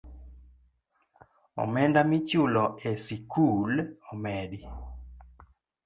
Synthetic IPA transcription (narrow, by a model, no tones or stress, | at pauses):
ɔ̰mɛndamit͡ʃulɔesikʰulɔmɛdi